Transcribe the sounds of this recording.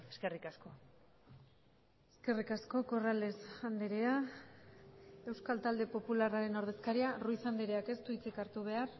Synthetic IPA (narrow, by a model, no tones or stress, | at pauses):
eskerikasko̞ | e̞ske̞rikasko̞ko̞rale̞sand̪eɾea | e̞wskalt̪ald̪e̞po̞pularaɾe̞no̞ɾðe̞skaɾiarujsand̪eɾeake̞st̪uit͡sikaɾt̪uβ̞e̞ar